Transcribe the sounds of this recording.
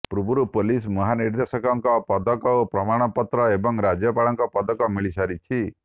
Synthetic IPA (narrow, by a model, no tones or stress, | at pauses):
pɾubuɾupolismɔɦaniɾd̪esɔkɔŋkɔpɔd̪ɔkɔopɾɔmaɽ̃ɔpɔt̪ɾɔebɔŋɾad͡ʒjɔpaɭɔŋkɔpɔd̪ɔkɔmiɭisaɾit͡ʃʰi